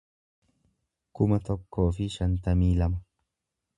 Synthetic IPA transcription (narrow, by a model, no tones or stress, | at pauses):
kʊmɐt̪ɔkːo̞ːfɪʃɐnt̪ɐmiːlɐmɐ